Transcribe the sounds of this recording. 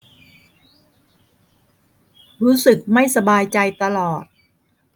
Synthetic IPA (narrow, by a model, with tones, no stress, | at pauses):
ɾuː˦˥sɯ˨˩k̚ma˥˩jsa˧baː˧jt͡ɕa˧jt̪a˧lɔː˨˩t̪̚